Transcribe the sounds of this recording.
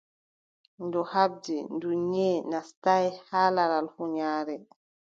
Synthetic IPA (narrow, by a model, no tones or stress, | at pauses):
ndɔhab̚dinduɲɲɛnastajhalaɾalhuɲaːɾɛ